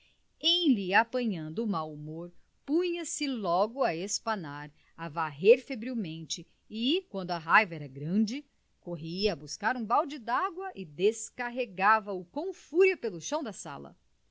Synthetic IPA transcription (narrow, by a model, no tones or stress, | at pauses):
ẽj̃liapɐ̃ɲɐ̃nd̪ʊːmawumoɾ | pũɲɐsɪlɔɡʊɐespɐnaɾ | avaɦeɾfebɾiwmẽnt͡ʃɪ | ɪkwɐ̃nd̪ʊɐɦajvɐɛɾɐɡɾɐ̃d͡ʒɪ | koɦiɐːbuskaɾũbawd͡ʒɪd̪aɡwɐʔɪd̪eskaɦeɡavɐʊkõw̃fuɾjɐpelʊʃɐ̃w̃d̪ɐsa̰lɐ̰